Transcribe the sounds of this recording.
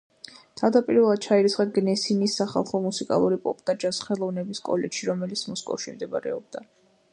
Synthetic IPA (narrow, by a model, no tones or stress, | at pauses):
t̪ʰavd̪apʼiɾvɛlˠad̪̥̚t͡ʃʰaiɾit̪sʰχɛt̪̚ɡnɛsinisːaχa̰lˠχɔmusikʼa̰lˠuɾipʼɔpʼt̪ʼad͡ʒasχɛlˠɔvnɛbiskʼɔ̰lɛʃiɾɔmɛlit̪sʰmɔskʼɔ̰fʃimd̪ɛba̰ɾɛ̰ɔb̚d̪a